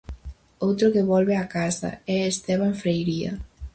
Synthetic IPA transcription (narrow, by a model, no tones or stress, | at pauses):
owt̪ɾokeβɔlβeakasa̰ɛest̪ɛβ̞aɱfɾejɾiɐ̰